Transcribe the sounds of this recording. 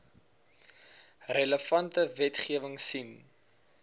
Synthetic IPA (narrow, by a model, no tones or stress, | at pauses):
rələfɐntəvɛtχiəvəŋsim